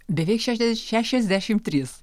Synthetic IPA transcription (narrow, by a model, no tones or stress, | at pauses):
b̪ʲɛʋʲeːkʃʲæːʃʲɛʃʲæːʃʲɛzʲd̪ʲæːʃʲɪmt̪ʲɾʲiːs